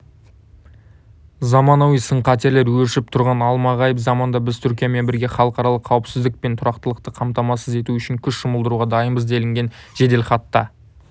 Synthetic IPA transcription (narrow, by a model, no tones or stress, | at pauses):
zɑmɑnowijsəɴqʰɑt̪e̞ɾle̞ɾwɵɾɪʃɪp̚t̪ʰʊɾʁɑnɑlˠmɑʁɑjəpzɑmɑnd̪ɑbɪzt̪ʰʏɾkʲijame̞nbɪɾɡʲe̞χɑlˠəqɑɾɑlˠəqʰːɑwɪpsɪzd̪ɪk̚pe̞nt̪ʰʊɾɑqt̪əlˠəqt̪əqʰɑmt̪ɑmɑsəze̞t̪uʏʃɪŋkʲʰʏsʃʊməlˠd̪əɾuʁɑd̪ɑjəmbəzd̪e̞lɪŋɡʲe̞nʒ̥e̞d̪e̞lχɑt̪ːɑ